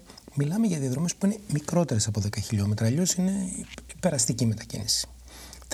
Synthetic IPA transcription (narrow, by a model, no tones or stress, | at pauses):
milɐmeʝɐðiɐðɾo̞me̞spuine̞mikɾo̞t̪e̞ɾe̞sɐpo̞ðe̞kɐçiʎo̞me̞t̪ɾɐːʎo̞sine̞ipe̞ɾɐst̪icime̞t̪ɐcḭnisi̥